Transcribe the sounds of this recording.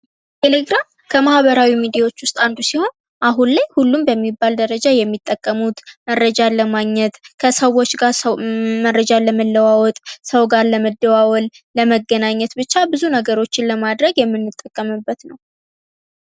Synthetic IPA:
t̪ʰe̞le̞ɡɾam | kʰəmahβəɾawimid̪ijawo̞t͡ʃːwʊst̪ʼand̪usiho̞n | ʔaɦunlajhulːumbəmːibːald̪əɾəd͡ʒajɛmːit̪ʼːəkʼːəmut̪məɾːəd͡ʒaləmaɡɲɛt̪kʰəsəwo̞t͡ʃːɡaɾməɾːəd͡ʒaləməlːəwawɔt̪ʼsəwɡaɾləməd̪ːəwawɔl | ləməɡːənaɲːɛt̪bɨt͡ʃːabɨzunəɡəɾo̞t͡ʃːɪnləmad̪ɾəɡjɛmːɨnːɨt̪ʼːəkʼːəmɨbːət̪nəw

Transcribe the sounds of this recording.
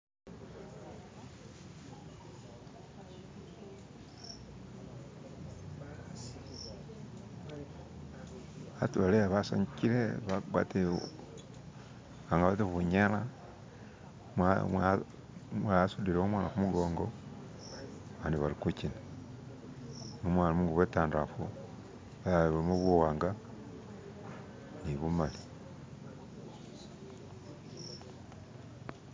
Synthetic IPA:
atuβaleaβaso̰ɲciɾeβaɡwa̰te | βaŋɡaβatiβuɲala | mamwa | mwasudiɾeomwaːnaxumuɡoːŋɡo̞ | aβaːndiβaɾikucina | nomwaːnamuŋɡuβwetaːndafu | βaβuimuβuwaːŋɡa | niβumali

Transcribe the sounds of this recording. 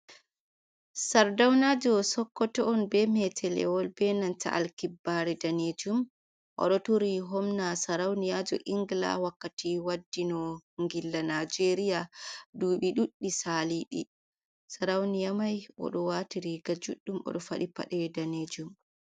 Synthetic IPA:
saɾdawnad͡ʒɔsɔkːɔtɔɔnbɛmɛtʰɛlɛ̰wɔlbɛnanta̰ʔa̰lkibːaɾɛdaned͡ʒum | ʔɔ̰ɗɔtuɾiɦɔmnasaɾawnijad͡ʒɔ̰ʔiŋɡla̰wakːatiwadːinɔŋɡilːanad͡ʒeɾijaduːɓiɗuɗːisaːliɗḭ | saɾawnijamajʔɔ̰ɗɔwatiɾiɡad͡ʒuɗːumɔ̰ɗɔfa̰ɗipa̰ɗɛdaned͡ʒum

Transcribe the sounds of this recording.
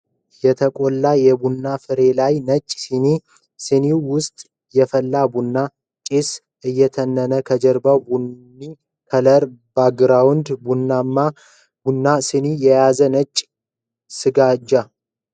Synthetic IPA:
jɛt̪ʰəkʼolːajɛbunːafɨɾe̞lajnət͡ʃʼːsini | sɨniwwʊst̪ʼ | jɛfəlːabunːa | t͡ʃʼis | ʔɨjːɛt̪ʰənːənəkʰəd͡ʒəɾbawbu | i | kʰələɾbaɡɨɾawʊnd̪bunːamːa | bunːasɨnijɛjazənət͡ʃʼː | sɨɡad͡ʒːa

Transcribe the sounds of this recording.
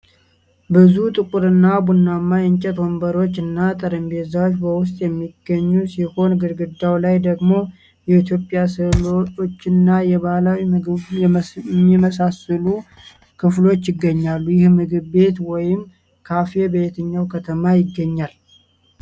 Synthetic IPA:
bɨzut̪ʼɨkʼuɾɨnːabunːamːajɛɲt͡ʃʼɛt̪wombəɾo̞t͡ʃːɨnːat̪ʼɨɾəmbe̞zawt͡ʃbəwʊst̪ʼjɛmːiɡːəɲːusiho̞nɡɨɾɡɨd̪awlajd̪əɡmo̞ | jɛit̪jo̞pʼjasɨloo̞t͡ʃːɪnːajɛβalawi | mːiməsasəlu | kʰɨflo̞t͡ʃːjɪɡːəɲːalːujɪhmɨɡɨbbe̞t̪wɔjɪm | kʰafe̞bəjɛt̪ʰəɲːawkʰət̪ʰəmajɪɡːəɲːal

